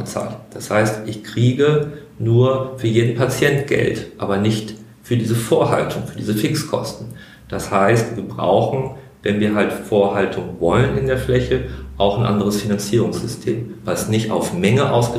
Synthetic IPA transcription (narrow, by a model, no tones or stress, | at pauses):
ət͡sa̰ːltd̥ashaɪstʔɪçkʁ̥iːɡə | nuːɐfyːɐjeːdn̩pʰat͡sjɛntɡ̥ɛ̰ltʔaːbɐnɪçt | fyːɐdiːzəfoːɐɦa̰ltʰʊŋfyːɐdiːzəfɪkskʰɔ̰stn̩ | d̥ashaɪstv̥iːɐbʁa̰ʊxn̩ | vɛnviːɐɦaltfoːɐɦaltʰʊŋvɔlənɪndeːɐflɛçəʔaʊxnʔa̰ndəʁəsfinant͡siːʁʊŋsz̥ʏstʰḛːmvasnɪçtʔa̰ʊfmɛŋəʔaʊsɡ̥ə